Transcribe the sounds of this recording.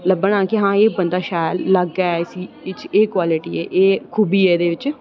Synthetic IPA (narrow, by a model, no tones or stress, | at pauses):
ləbəɳ̃ãːkɪɦãːeːbənd̪aːʃaːjlːəɡaɛɪsiː | ɪt͡ʃeːkwaːlɪʈḭːɛ̰ːʔeːkʰuːbiːɛːd̪eːʋɪt͡ʃ